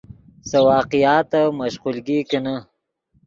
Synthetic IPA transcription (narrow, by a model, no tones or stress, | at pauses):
sɐwɑːqijɑːt̪amɐʃqulɡikɐna